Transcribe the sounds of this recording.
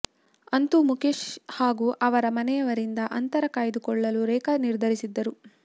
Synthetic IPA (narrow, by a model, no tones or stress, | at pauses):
ɐnt̪umukeʃhaːɡuːʔɐʋɐɾɐmɐnɛjɐʋɐɾind̪ɐʔɐnt̪ɐɾɐkaːjid̪ukɔɭːɐluɾɛːkɐniɾd̪ʱɐɾisid̪ːɐɾu